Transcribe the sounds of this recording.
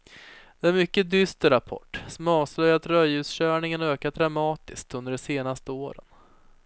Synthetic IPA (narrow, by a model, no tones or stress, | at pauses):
d̪̥ɛæɾmʏkːəd̪ʏst̪əɾapʰɔ̰ʈːsɔmɑːvslœjat̪ɾœjʉsɕœːɳɪŋənøːkad̪ɾamɑːt̪ɪsk̚t̪ɵnd̪əɖɛseːnast̪əoːɾə̰n